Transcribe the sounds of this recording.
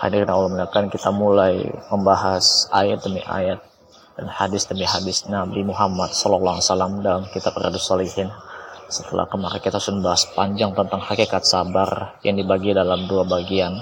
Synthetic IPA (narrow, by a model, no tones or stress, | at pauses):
ha̰dirnaulamənakankit̪amulaj̰məmbaɦasajat̪̚dəmḭʔa̰jat̪̚ | danhadɪsdəmiɦadɪsnabimuɦamat̪̚sɔlɔlaŋsalamdalamkit̪ap̚ra̰dusalihɪnsət̪əlʔa̰kəmaɾakit̪asunmbaɦaspaɲd͡ʒaŋt̪ənt̪aŋhakikat̪̚sabarjʔaŋdibaɡidalamduabaɡian